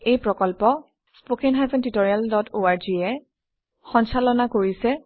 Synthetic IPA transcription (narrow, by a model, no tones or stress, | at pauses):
ejpɹɔkɔlpɔ | spokenɦajpɛntitoɹialdɔtoaɹziɛ | xɔnsalɔnakoɹisɛ